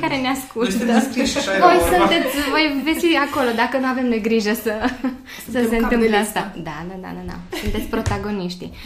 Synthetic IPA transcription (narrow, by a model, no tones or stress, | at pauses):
kaɾeneaskut̪t̪vo̞jsunt̪e̞t̪sʲvo̞jvesiako̞lo̞d̪akənuave̞mneɡɾiʒəsə | səse̞ɨnt̪ɨmpleast̪ad̪anad̪a̰d̪ana̰sunt̪e̞t̪sʲpɾo̞t̪aɡo̞niʃt̪ḭ